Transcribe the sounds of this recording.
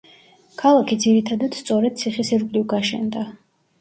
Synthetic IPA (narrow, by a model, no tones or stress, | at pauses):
kʰalˠakʰid̪ziɾit̪ʰad̪ad̪̥st̪sʼɔɾɛd̪̥̚t̪sʰiχisiɾkʷʼlivɡaʃɛ̰nd̪a